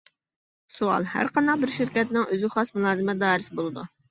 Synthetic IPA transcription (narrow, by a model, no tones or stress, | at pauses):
suɑ̰lˠhæ̰ɾqɑnd̪ɑqbɪɾʃɪɾkʲɛt̪nɪŋøzɪχɑsmulˠɑːzɨmɛd̪ɑːɾɪsɪbolˠɨd̪u